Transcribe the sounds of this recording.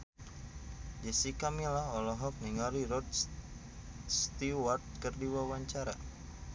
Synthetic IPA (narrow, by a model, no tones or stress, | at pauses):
d͡ʒɛsikamilaɔlɔɦɔk̚niŋaɾirɔd | st̪iwart̪̚kərdiwawaɲt͡ʃaɾa